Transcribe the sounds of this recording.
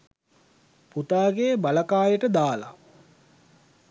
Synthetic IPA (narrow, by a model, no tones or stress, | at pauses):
put̪aːɡeːbaləkaːjəʈəd̪aːla̰